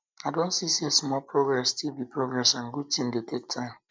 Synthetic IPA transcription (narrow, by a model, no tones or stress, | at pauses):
aɪdõntsisesmɔlpʰɹoɡɹɛstʰilbipɹoɡɹɛsãnɡud̚tĩmdetʰek̚tʰãɪ̃m